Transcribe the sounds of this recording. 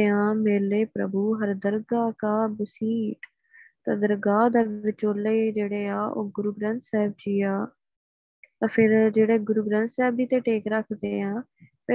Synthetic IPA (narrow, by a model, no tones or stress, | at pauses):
ãːmeːleːpɾə̰buːɦəɾd̪əɾɡaːkaːbəsiːʈ | t̪ãːd̪əɾɡaːd̪aːʋɪt͡ʃoːleːd͡ʒeːɽeːaːʔo̰ːɡʊɾuːɡɾə̃nt̪sɛːb̚d͡ʒiːaː | t̪aːpʰɪɾd͡ʒeːɽeːɡʊɾuːɡɾə̃nt̪sɛːbd͡ʒiːt̪ẽːʈeːkɾəkʰd̪ḛːãː | pə